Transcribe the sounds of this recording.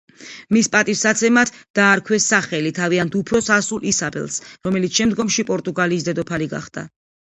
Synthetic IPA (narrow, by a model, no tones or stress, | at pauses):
mispʼat̪ʼifsat̪sʰɛmat̪ʰd̪̥aːɾkʰwɛsːaχɛlit̪ʰaviant̪ʰupʰɾɔsasulˠʔisabɛ̰lˠsɾɔmɛlit̪sʃɛmd̪ɡɔmʃipʼɔɾt̪ʼuɡaliːs̬d̪ɛd̪ɔpʰaliɡa̰χd̪̥a̰